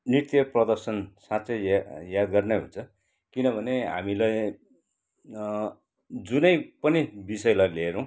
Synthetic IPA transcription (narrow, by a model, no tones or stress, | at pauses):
nit̪jʌprʌd̪ʌrsʌnsat͡sʌjjad̪ɡʌrneɦṵnt͡sʰʌ | kinʌbʱʌneɦa̰milaj | d͡zunʌjpʌnibisʌjlajleɾʌ̃w̃